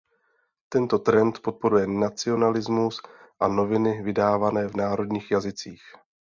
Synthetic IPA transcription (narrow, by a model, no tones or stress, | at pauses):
t̪ɛnt̪o̞t̪ɾɛnt̪po̞t̪̚po̞ɾujɛnat͡sɪo̞nalɪzmus | ʔano̞vɪnɪvɪdaːvanɛːvnaːɾo̞dɲiːxjazɪt͡siːx